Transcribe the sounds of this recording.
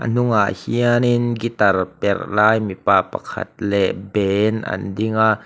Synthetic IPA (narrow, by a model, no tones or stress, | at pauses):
ʔə̰n̥ʊŋaʔhiəninɡit̪arpɛrlaːjmipaːpɐkʰa̰t̪̚lɛʔbɛnʔa̰ndiŋaʔ